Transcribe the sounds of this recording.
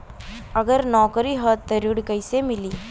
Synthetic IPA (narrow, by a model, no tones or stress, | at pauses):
ɐɡəɾnɔːkɾiɦət̪t̪ːəɾiɽkɐɪsemɪliː